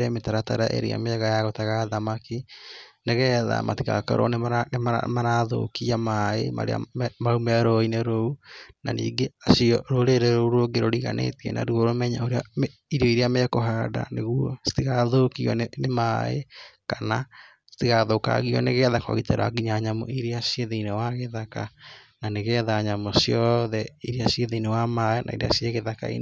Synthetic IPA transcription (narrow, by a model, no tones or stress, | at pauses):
ɾɛmetaɾata̰ɾaʔḛɾḛa̰meɛɣajaɣɔtaɣaðamakineɣɛða̰matiɣa̰ka̰ɾʔo̰neanemamaɾaðo̰kiamaema̰ɾḛa̰maumɛɾoineɾounanḭːɡeaʃiɔɾoɾeɾeɾouɾoɡeɾoɾiɣa̰nḛtiɛna̰ɾuoɾomɛɲaoɾeame | iɾeɔiɾeamekoɦaːda̰neɣwɔstiɣaðokiɔ̰nemaḛkana | stiɣaðoka̰ɣiɔ̰neɣɛðakao̰ɣitɛ̰ɾa̰ɡiɲaɲamo̰iɾeasjeðeinewaɣeðakananeɣɛðaɲamosjɔðɛiɾeaɕieðeinewamaɛnʔa̰iɾea̰sieɣeðaka̰ḭn